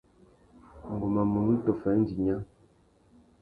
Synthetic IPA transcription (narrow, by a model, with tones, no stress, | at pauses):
ŋ̩˨ɡu˨ma˨mu˨ŋ̩˦tɔ˨fɛ˨˦n̩˦d͡ʒi˨ɲa˦